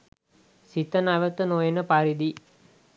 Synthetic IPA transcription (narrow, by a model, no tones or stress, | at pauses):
sit̪ənaʋət̪ənojenəpaɾid̪i